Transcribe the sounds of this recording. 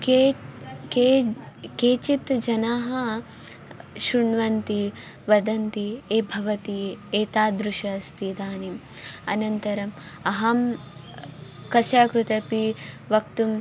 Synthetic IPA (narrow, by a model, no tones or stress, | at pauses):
keke | keːt͡ʃit̪d͡ʒɐnaːɦɐ | ʃuɳʋɐnt̪i | ʋɐd̪ɐnt̪ieːbʱɐʋɐt̪ieːt̪aːd̪ɾuʃɐst̪id̪aːnim | ɐnɐnt̪ɐɾɐm | ɐɦɐm | kɐsjaːkɾut̪ɐpi | ʋɐk̚t̪um